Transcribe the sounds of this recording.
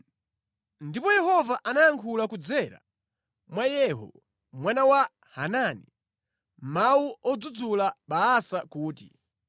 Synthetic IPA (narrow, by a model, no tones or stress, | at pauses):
ndipɔjɛhɔvaʔanajaŋkʰulakud͡zɛɾa̰ | mwajɛɦɔ̰ | mwanawa | hanani | mauɔd͡zud͡zulaɓaːsakuːtḭ